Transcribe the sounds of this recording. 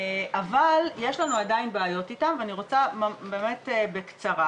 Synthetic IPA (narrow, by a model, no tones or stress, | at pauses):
ʔavalje̞ʃlanuadainbeːjo̞titamveaniʁo̞t͡samabe̞ːme̞tebekt͡saʁa